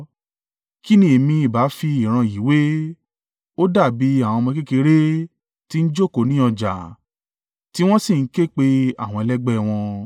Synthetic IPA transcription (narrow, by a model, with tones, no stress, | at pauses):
ki˦nĩ˧˨e˨mĩ˧i˨ba˨˦fi˧i˨ɾ̃ã˧ji˨˦we˦ | o˦da˦˨bi˨˦a˦˨w̃ɔ̃˧mɔ̃˧ke˦ke˧ɾe˦ | ti˦n̩˦d͡ʒo˦˨ko˨˦nĩ˦ɔ˧d͡ʒa̰˨ | ti˦w̃ɔ̃˦si˦˨n̩˦ke˦˨k͡pe˧a̰˦˨w̃ɔ̃˧ɛ˧lɛ˦ɡ͡bɛ˦˨w̃ɔ̃˧